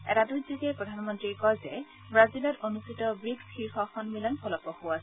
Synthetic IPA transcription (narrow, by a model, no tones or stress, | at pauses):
ɛ̰tadujzikɛpɹɔdʱanmɔntɹikɔlzɛ | bɹazilɔtonustitɔbɹiksxʰiɹxɔxɔnmilɔnpʰɔlɔpɔhʊwasɛ